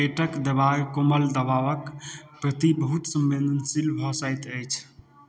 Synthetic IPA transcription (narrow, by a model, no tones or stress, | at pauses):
eʈəkd̪əbajkoməld̪əbaʋəkpɾət̪ibəɦut̪səmːend̪ənsilbʱɔsəjt̪əjt͡ʃʰ